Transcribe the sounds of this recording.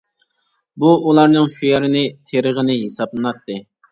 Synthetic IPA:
buulˠɑɾnɨŋʃujɛɾɪnɪt̪ʰeɾəʁənɪɦesɑblˠɨnɑt̪ːɨ

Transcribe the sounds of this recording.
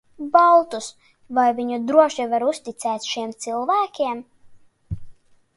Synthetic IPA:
balˠt̪us | vajviɲud̪ɾuɔʃivaɾust̪it̪sɛːt̪ʃiɛmt̪silˠvæːkʲiɛm

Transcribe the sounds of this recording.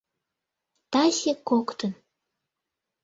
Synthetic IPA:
t̪ɑsʲekokt̪ə̆n

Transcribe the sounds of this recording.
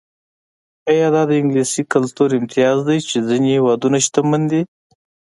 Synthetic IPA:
ajɑd̪ɑd̪əɪŋɡlisikalt̪uɾɪmt̪ʰijɑzd̪ajt͡ʃezinehewɑd̪unaʃt̪amand̪i

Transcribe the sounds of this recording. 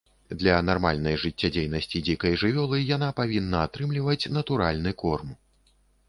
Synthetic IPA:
d̪lʲɐnarma̰lʲn̪ɐjʐɨt͡sʲːad͡zʲejnɐsʲt͡sʲid͡zʲikɐjʐɨvʲɔlˠɨjanapavʲinːɐat̪ɾɨmlʲivɐt͡sʲnɐt̪uɾalʲnɨkɔrm

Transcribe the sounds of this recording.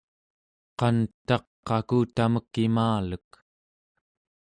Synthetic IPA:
qɑnt̪ɑqːɑkuːt̪aməkːimaːlək

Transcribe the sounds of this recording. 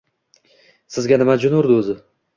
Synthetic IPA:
sɪzɡʲanɪmad͡ʒʊnʊɾd̪ɪʊzɪ

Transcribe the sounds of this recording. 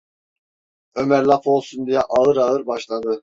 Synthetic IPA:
ø̞mæɾlˠapo̞lˠsund̪ijɛʔaɯɾaɯɾbaʃlˠad̪ɯ

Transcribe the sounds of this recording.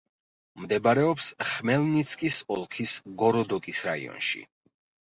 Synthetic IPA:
md̪ɛbaɾɛɔpsχmɛlnit̪sʰkʼisɔlˠkʰisɡɔɾɔd̪ɔkʼisɾaḭɔ̰nʃḭ

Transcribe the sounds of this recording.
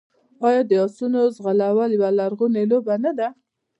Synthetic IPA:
ɑjɑd̪əɑsunozɣalawaljwalaɾɣunelobanad̪a

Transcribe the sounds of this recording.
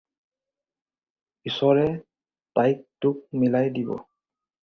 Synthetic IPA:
isɔɹɛ | tajk̚tʊk̚milajdibɔ̰

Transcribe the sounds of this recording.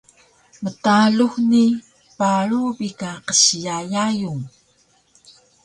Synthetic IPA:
mətaɮuxni | paɭubikaqəɕjajajuŋ

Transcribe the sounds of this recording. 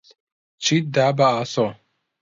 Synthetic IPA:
t͡ʃid̪abaaso

